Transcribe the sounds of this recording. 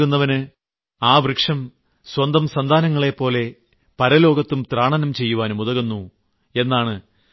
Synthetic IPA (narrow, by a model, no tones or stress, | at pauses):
unːɐʋɐnɨ | aːbrɨkʂɐm | swɐnd̪ɐmsɐnd̪ʱaːnɐŋːɐɭe̞pːo̞ːle̞ | pɐɾɐlo̞ːɡɐt̪ːumt̪raːɳɐnɐmt͡ɕe̞jːuʋaːnmuðɐɣunːu | e̞nːaːɳɨ